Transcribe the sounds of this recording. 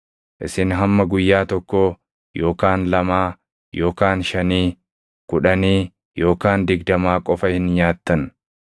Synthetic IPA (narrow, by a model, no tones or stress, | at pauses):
ʔɪ̰sɪnɦɐmːɐɡʊjːaːt̪ɔkːoː | jo̞ːkaːnlɐmaː | jo̞ːkaːnʃɐniː | kʊᶑɐniː | jo̞ːkaːnd̪ɪɡd̪ɐmaːkʼɔfɐhɪnɲaːt̪ːɐn